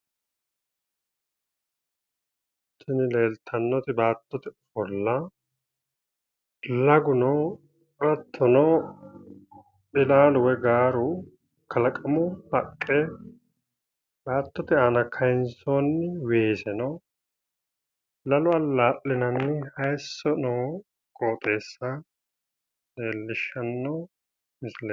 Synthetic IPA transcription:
t̪ːɪnɪle̞ːlt̪ʰɐnːɔt̪ɪbaːt̪ːɔt̪ɛʊfɔlːɐ | lɐɡʊnɔ | ɾɐt̪ʰːɔnɔ | bɪlaːlʊwɛɡaːɾʊ | kʰɐlɐkʼɐmʊhɐkʼːɛ | laːt̪ːɔt̪ɛʔɐnɐkʰɐjɪnsoːnːɪweːsɛnɔ | lɐlʊɐlːaːʔːɪnɐnːɪhɐjsːɔnoː | kʼoːt̪ʼe̞ːsːɐ | neːlːɪʃːɐnːɔ | mɪsɪleː

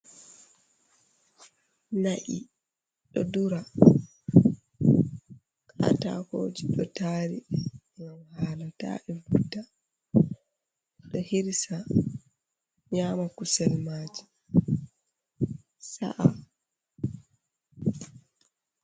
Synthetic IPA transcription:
naʔi | ɗɔduɾa | kʰa̰ta̰hoːd͡ʒiɗɔtaːɾi | ŋɡamhaːlata̰ʔɛvudːa | ɗɔhiɾsa | ɲaːmakusɛlmaːd͡ʒi̥ | sa̰ʔa

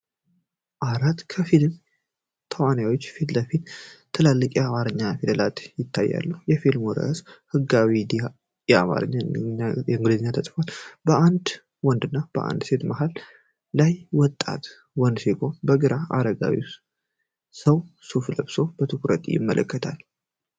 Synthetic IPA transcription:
ʔaɾat̪kʰəfilm | t̪ʰəwanjawot͡ʃːfit̪ləfit̪t̪ʰɨlalːɨkʼjamaɾɨɲːafid̪əlat̪jɪt̪ʰːajːa̰lːəhujɛfilmɔɾə̰shɨɡawid̪i | jɛa̰ma̰ɾɨ̰ɲːaajɛɨŋɡlizɨɲːat̪ʰəsʼfalbəʔand̪ | wɔnd̪ɨnːab̥ə̰ʔa̰nd̪se̞t̪maɦalː | ajwɔt̪ʼːa̰t̪ | wɔnd̪seɡo̞nbəɡɨɾaʔa̰ɾəɡa̰wḭ | səwsufləbso̞b̥ət̪ʰɨkɾət̪jɪ̰mːə̰lʔə̰kːət̪ʰal

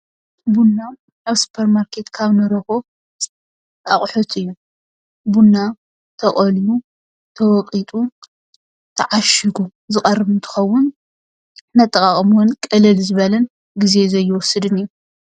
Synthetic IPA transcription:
bunːa | aβsu̥pʰeɾmaɾkʰe̞t̪kʰaβnɨɾɐko | aχʼħʊt̪ʰʼɨjːu | bunːa | t̪ʰɐχʼɔlju | t̪ʰɐwɔqʼit̪ʼu | t̪ʰɐʕaʃɨɡuzɨkʼɐrːɨβnt̪ʰɨ̥xɐwːʊn | nːat̪ʼːɐkʼaχʼmwʊnkʼɐlɐlzɨβɐlɐn | ɡizezɐjːɪwɔsɨd̪ɨnɨjːu

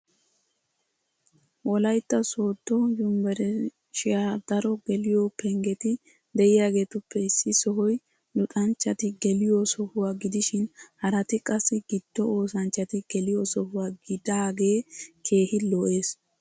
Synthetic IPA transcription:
wɔlɐjt̪ːɐsoːt̪ːɔjʊmbɛɾɛ | ʃɪjaːd̪̥ɐɾɔɡɛlɪjopʰɛŋɡɛt̪ɪ | d̪ɛɪjaːɡe̞ːt̪ʊpːɛɪsːɪsɔɦɔj | lʊt̪ʼɐnt͡ʃːɐt̪ɪɡɛlɪjosɔhʊwaɡɪd̪ɪʃɪnhɐɾɐt̪ɪkʼɐsːɪɡ̥ɪd̪̥ːɔo̞ːsɐnt͡ʃːɐt̪ɪɡ̥ɛlɪjɔsɔhʊwaːɡɪd̪aːɡe̞ːkʰe̞ːhɪlɔʔe̞ːs

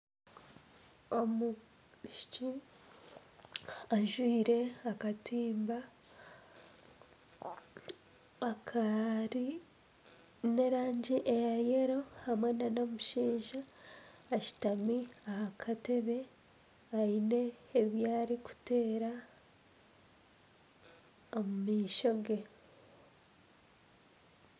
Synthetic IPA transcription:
omu | ʃit͡ʃi | aʒwiːɾe̞akatiːmba | akʰaɾi | ne̞ɾaːɲɟiʔejajeɾo̞hamwenanomuʃiːɲʒaː | ʃi̥tamiahakʰate̞βe̞ | aine̞ːβjaːɾiku̥te̞ːɾa | omumiːʃo̞ɡe̞

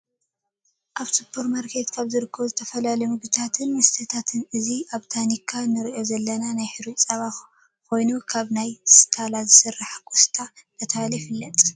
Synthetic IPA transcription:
ʔaβt̪ɨpʰːuɾmaɾkʰe̞t̪kʰaβzɨɾɨkʰːɐβuzɨt̪ʰɐfɐlalɐjmɨɡɨt̪ʰat̪ʰɨnmɨst̪ʰɐt̪ʰat̪ʰɨnʔɨziʔaβt̪ʰanikʰːanːɨɾiʔo̞zɐlːɐnanajħɨɾisʼɐβa | ko̞jnukʰaβnajskʰalazɨsɨrːaħakʰu̥st̪ʰat̪ʰɐt̪ʰalɐjfɨlːɐt̪ʼ

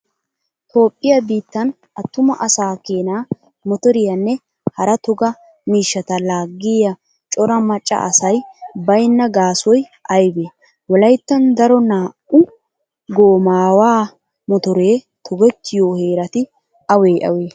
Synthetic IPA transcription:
ho̞ːpʼːɪjɐbiːt̪ːɐn | ʔɐt̪ːʊmɐʔɐsaːkeːnaː | mɔt̪ɔɾɪjɐnːɛ | hɐɾɐt̪ɔɡɐ | miːʃːɐt̪ɐlaːɡːɪjɐ | t͡ʃʼɔɾɐmɐt͡ʃʼːɐ̰ɐsɐjbɐjnːɐɡaːsɔj | ʔɐjbeː | wɔlɐjt̪ːɐnd̪ɐɾɔnaːʔʊ | ɡoːmaːwaː | mɔt̪ɔɾeː | t̪ʰɔɡɛt̪ʰːɪjoːheːɾɐt̪ɪ | ʔɐweːʔɐ̰weː

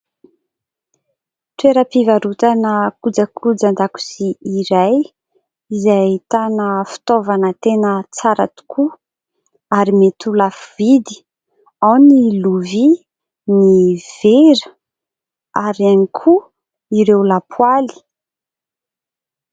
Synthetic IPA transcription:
t̪weɾəpivaɾut̪anəkud͡zakʰud͡zand̪aku̥siiɾaj | izait̪anəfi̥t̪ovanət̪enət͡saɾa̰t̪u̥kʰu | aɾimet̪ulafuvid̪i̥ | awniluvi | niv̥eɾə | aɾianikʰu | iɾewlapʰwali̥

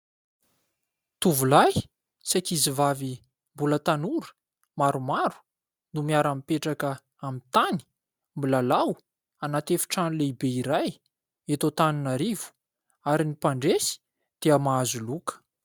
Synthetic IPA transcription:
t̪uvulaj | sakizivavi | mbulət̪anuɾu̥ | maɾumaɾu̥ | numiaɾamipeʈ͡ʂakə | amit̪ani̥ | mbilalaw | anat̪efi̥ʈ͡ʂanuleibeiɾaj | et̪ot̪aninaɾivu̥ | aɾinipaɳɖ͡ʐesi̥ | d̪̥eəmaazulukə̥

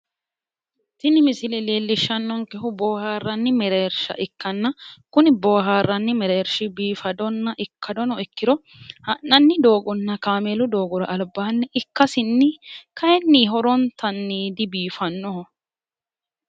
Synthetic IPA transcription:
t̪ɪnɪmɪsɪlɛleːlːɪʃːɐnːɔŋkɛɦʊboːhaːrːɐnːɪmɛɾeːɾʃɐ̰ʔɪkːɐnːɐkʊnɪboːɦaːrːɐnːɪmɛɾeːɾʃɪbiːfɐd̪ɔnːɐʔɪkʰːɐd̪ɔnɔɪkːɪɾɔ | hɐnːɐnːɪd̪o̞ːɡʊnːɐkaːmelʊd̪o̞ːɡʊɾɐʔɐlbaːnːɛʔɪkːɐsɪnːɪkɐjɛnːiːɦɔɾɔnt̪ɐnːiːd̪ɪbiːfɐnːɔhɔ

